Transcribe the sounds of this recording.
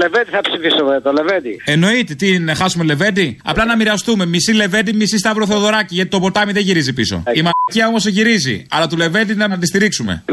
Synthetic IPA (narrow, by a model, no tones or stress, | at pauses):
levet̪iθɐpsifisumet̪oleved̪ieno̞it̪et̪inxɐsumele̞ve̞d̪iɐ̰plɐnɐmiɾɐst̪ume̞misile̞ve̞d̪imisist̪ɐvɾoθeoðo̞ɾɐciʝɐt̪it̪o̞po̞t̪ɐmiðeʝiɾizipiso̰imɐciɐo̞mo̞seʝiɾizḭɐ̰lɐt̪ule̞ve̞d̪inɐɐt̪̬ist̪iɾiksume̞̰